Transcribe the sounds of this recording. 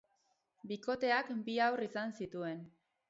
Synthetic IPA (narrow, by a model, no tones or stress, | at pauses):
biko̞t̪e̞akbiawrisansit̪ue̞n